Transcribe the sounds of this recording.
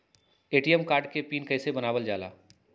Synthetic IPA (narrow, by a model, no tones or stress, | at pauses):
eːʈijəmkaːɾɖkepiːnkɛːsebɐnaːʋəld͡ʒaːla̰ː